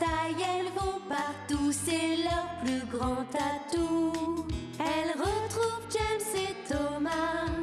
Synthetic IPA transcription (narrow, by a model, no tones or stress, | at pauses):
t̪ajɛlvopaʁt̪usɛlœʁplyɡʁɑ̃t̪at̪u | ɛlʁət̪χuvd͡ʒɛmsɛt̪ɔma